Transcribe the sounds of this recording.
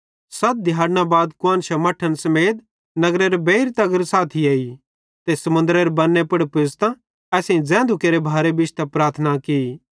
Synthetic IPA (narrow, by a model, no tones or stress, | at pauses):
sɐt̪̚d̪ʱjaːɽnãbaːd̪kʊãːnʃɐmɐʈʰənsɐmeːd̪ | nɐɡɾeɾebeiɾt̪ɐɡəɾsaːt̪ʰiɐːi | t̪esɐmʊ̃nd̪ɾeɾebɐnːepɐɽpɪst̪ã | ɛːsẽĩd͡zɛ̃ːnd̪ʊkeːɾebʱaːɾebɪt͡ʃt̪ɐpɾaːɾt̪ʰnaki